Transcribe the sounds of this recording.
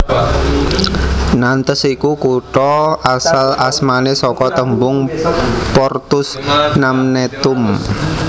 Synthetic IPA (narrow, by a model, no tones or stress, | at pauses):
nant̪əsikukuʈɔʔasalasmanesɔkɔt̪əmbʊŋpɔrt̪ʊsnamnet̪ʊm